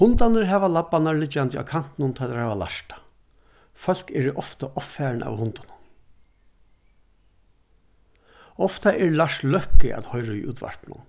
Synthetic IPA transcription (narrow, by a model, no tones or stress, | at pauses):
hʊnt̪anɪɹɦɛːʋalapːanaɹlɪt͡ʃːant̪jəa̰wkʰan̥t̪ɪnʊnt̪ʰaːt̪ʰɛɾhɛːʋala̰ʂt̪ḁ | fœl̥kɛɾɪʔɔft̪aʔɔpfæːɹɳʔa̰whʊnt̪ʊnʊn | ɔft̪aʔɛlaʂt̪lœhkɪ̰ʔa̰t̪hɔjɾaḭʔṵːt̪ʋa̰ɹpnʊ̰n